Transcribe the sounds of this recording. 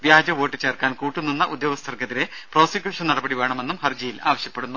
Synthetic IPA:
ʋjaːd͡ʑɐʋo̞ːʈːɨt͡ɕeːrkaːnkuːʈːunːinːɐʔud̪joːʋɐst̪ʰɐrkɐðiɾe̞pro̞ːsɐkʲjuːʂɐnnɐɽɐbɐɽiʋe̞ːɳɐme̞nːumhɐrd͡ʑɐjila̰ːʋɐɕjɐpːe̞ɽunːu

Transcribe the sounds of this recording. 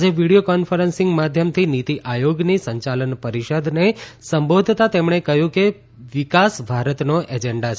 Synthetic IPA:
d͡ʒeʋiɽijokɔnfʰəɾənsɪ̃ŋɡmad̪ʱjəmt̪ʰinit̪iʔajoɡnisəɲt͡ʃalənpəɾiʃəd̪ʱnesəmbod̪ʱt̪at̪emɳ̃ekəɦjũke | ʋikasbʱaɾət̪noʔed͡ʒeɳɖat͡ʃʰ

